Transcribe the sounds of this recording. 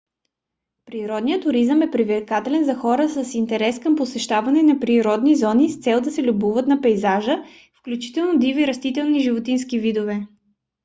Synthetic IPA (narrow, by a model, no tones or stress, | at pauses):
pɾiɾɔd̪nijət̪ʊɾizəmɛpɾivɛɾkat̪ɛlɛnzɐxɔɾəsəsint̪ɛɾɛskəmposɛʃt̪avɐnɛnɐpɾiɾɔd̪nizɔnist̪sɛlˠd̪ɐsɛlʲubuvət̪nɐpɛjzaʒə | fklʲut͡ʃi̥t̪ɛlˠnod̪iviɾɐst̪it̪ɛlˠniʒivot̪inskivid̪ovɛ